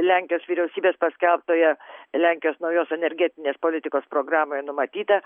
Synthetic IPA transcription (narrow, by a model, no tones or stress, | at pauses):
lʲæːˑŋʲkʲɪjoːsʋʲiːɾʲɛʊsʲiːbʲeːspɐsʲkʲɛlˠp̚t̪oːjɛlʲæːˑŋʲkʲɪjoːsnɐʊjoːsɛnʲɛɾʲɡʲæt̪ʲɪnʲeːspoːlʲɪt̪ʲɪkoːspɾoːɡrɑːmoːjɛnʊmɐt̪ʲiːt̪ɐ